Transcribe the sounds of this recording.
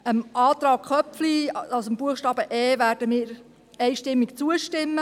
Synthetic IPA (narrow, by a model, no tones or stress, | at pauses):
əmʔɑːt̪ɾɑːkχœpfliɑsəmb̥uəχʃtɑːb̥əʔɛːʋæːɾdəmɪːɾ | ɛɪʃtɪmːikt͡suəʃtɪmːə